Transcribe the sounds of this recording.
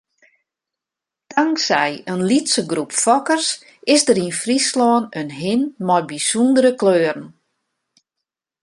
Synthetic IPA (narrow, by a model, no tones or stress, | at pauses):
d̥aŋksɛjənlitsəɡrupfɔkərs | ɪsdəɾinfrislɔːnənɦɪnmɔjbisundəɾəkløːərən̩